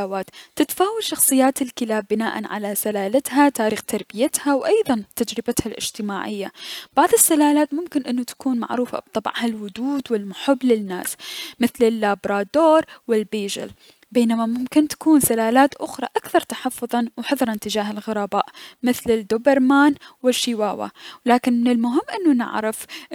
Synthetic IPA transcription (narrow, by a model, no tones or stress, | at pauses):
awaːt̪t̪ːɪt̪faːwalʃɑxsˤɨjːaːt̪ɪlkɪlaːbːɪnaːʔa̰nʕa̰lasalaːlat̪hat̪aːɾiːxt̪ɑɾˤbɪjat̪hawʔɑjðˤɑnt̪ad͡ʒɾɪbat̪halʔɪ̰d͡ʒt̪ɪmaːʕɪjːab̥aʕðˤɨsːalaːlaːt̪mʊmkɪnʔɪnːʊt̪ḁkuːnma̰ʕɾuːfa̰b̥̚t̪ˤːɑb̰ʕhalwʊd̪uːd̪wɪlmʊħʊbːlɪnːa̰ːsmɪθlɪlːaːbɾˤɑːd̪oːɾˤwɪlbiːd͡ʒɪ̰l | beːnamamʊmkɪnt̪ḁkuːnsalaːlaːt̪ʔʊxɾˤɑ̰ʔakθɑɾˤt̪ḁħɑfːʊðˤɑnwħʊðˤɾˤɪnt̪ɪd͡ʒaːɦɪlɣʊɾˤɑːbaːʔmɪθlɪd̪obɪɾˤmaːnwɪʃːiwaːwa̰laːkɪnmɪnɪlmʊɦɪmːʔɪnːunɪ̰ʕɾɪf